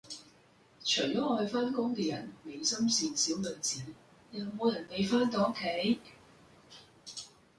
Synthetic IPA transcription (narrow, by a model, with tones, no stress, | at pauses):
t͡ʃʰɵ˨˩ɥjɔː˨˥ɔː˧ɵ˧faː˥nkʊ˥ŋkɛː˧jɐ˨˩nme˨˧jsɐ˥msiː˨˧nsiː˨˥wlɵ˨˧t͡siː˨˥n | jɐ˨˧wmo˨˧wjɐ˨˩npe˨˧jfaː˥nt̪̬ɔ˨˧o˥kʰːe˨˥j